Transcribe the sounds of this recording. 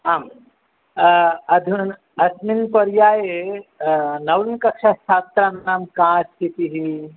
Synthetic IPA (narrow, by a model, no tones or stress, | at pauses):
am | ɐd̪ʱ | ɐsminpəɾjae | nɐwnkəkʃʰasʰat̪ɾanamkãst̪ʰit̪iɦi